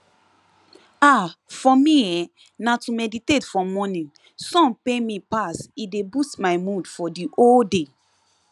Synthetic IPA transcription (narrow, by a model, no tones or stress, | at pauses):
afɔmijɛ | natumɛditetfɔmɔnĩŋ | sɔ̃npemĩpasidebustmajmudfɔdiʔolde